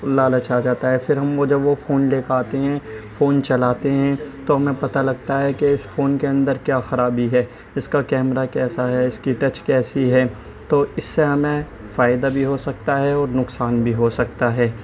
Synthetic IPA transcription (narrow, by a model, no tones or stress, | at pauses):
lːaːlɐt͡ʃʰad͡ʒaːt̪aɦɛfɪɾɦɐmʋod͡ʒɐbʋofoːnleːkaːt̪eɦɛ̃foːnt͡ʃɐlaːt̪eɦɛ̃t̪oɦɐmẽpɐt̪alɐɡ̚t̪aɦɛkeɪsfoːnkeɐ̃nd̪əɾkjaːxɐɾaːbiɦɛː | ɪskakɛːmɾakɛːsaɦɛɪskiʈɐt͡ʃkɛːsiɦɛː | t̪oːɪsːeɦɐmẽ | faːɪd̪abʱiɦosɐk̚t̪aɦɛɔːɾnʊksaːnbʱiɦosɐk̚t̪aɦɛː